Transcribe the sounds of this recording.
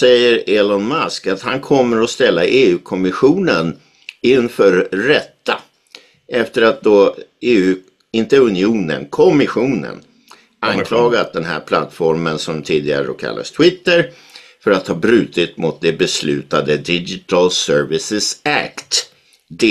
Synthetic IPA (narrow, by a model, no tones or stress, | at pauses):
sɛjːəɾelɔnmaskat̪hankʰɔmːəɾɔst̪ɛlːaʔeːʉ̟ːkʰɔmɪɧuːnən | ɪnːfœɾːɛt̪ːa | ʔɛft̪əɾat̪̚d̪ɔeːʉ̟ː | ɪnt̪əɵnɪuːnə̰nkʰɔmɪɧuːnə̰n | ankʰlɑːɡat̪̚d̪ɛnɦæ̰ːɾpʰla̰t̪ːfɔɾmənsɔmd̪t̪ʰiːd̪ɪɡa̰ɾəd̪o̰ːkʰa̰lːa̰st̪ʰwɪt̪ːəɾ | fœɾat̪hɑːbɾʉ̟ːt̪ɪt̪mʊt̪̚d̪ɛbɛslʉ̟̰ːt̪ad̪əd̪ɪd͡ʒɪt̪ʰalsœɾvɪsəsæ̰kt̪ | d̪